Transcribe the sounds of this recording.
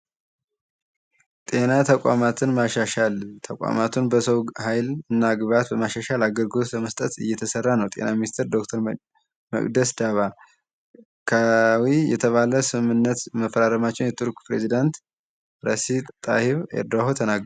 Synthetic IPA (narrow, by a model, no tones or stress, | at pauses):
t̪ʼe̞nat̪ʰəkʷʼa̰mat̪ʰɨnmaʃaʃalt̪ʰəkʼa̰mat̪ʰunbəsəwhajlɨnːaɡβat̪̚bəmaʃaʃalaɡəɾɡɨlot̪ləməst̪ʼət̪ɨ̰jːɛt̪ʰəsərːanəwt̪ʼe̞̰naminist̪ʰəɾd̪okt̪ʰəɾ | mə̰kʼd̪əsd̪aβa | kʰawijɛ̰t̪ʰəβaləsɨmɨnːət̪məfəɾaɾəmat͡ʃːɛwnjɛt̪ʰuɾkʼpɾe̞zid̪ant̪ | ɾəsit̪ʼa̰hiβḛɾd̪oɦot̪ʰənaɡ